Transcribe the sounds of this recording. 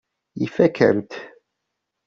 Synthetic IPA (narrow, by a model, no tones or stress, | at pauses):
jifækə̰ɾt̪